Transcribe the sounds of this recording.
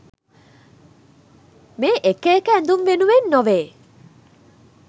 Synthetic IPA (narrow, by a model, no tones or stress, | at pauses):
meːʔekeːkəænd̪unʋenuʋenːɔʋeː